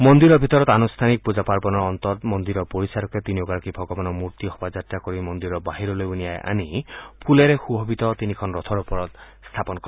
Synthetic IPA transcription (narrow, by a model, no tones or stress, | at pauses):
mɔnd̪iɾɔɹbʱit̪ɔɹɔt̪anust̪ʰanik̚pud͡ʒapaɹbɔnɔɹɔnt̪ɔt̪mɔnd̪iɾɔpoɹisaɾɔkɛt̪inioɡaɹakibʱɔɡɔbanɔmuɹt̪iɦɔbazat̪ɹakoɹimɔnd̪iɾɔbaɦiɾɔlojunijajʔa̰nipʰuleɹɛxubʱɔbit̪ɔt̪inikʰɔnɹɔt̪ʰɔɹupɔɹɔt̪ | st̪ʰapɔnkɔ